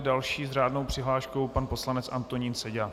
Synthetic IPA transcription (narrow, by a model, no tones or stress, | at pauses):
dalʃiːzr̝aːdnowpr̝̥ɪɦlaːʃko̞wpanpo̞slanɛt͡sʔa̰nt̪oɲiːnsɛɟa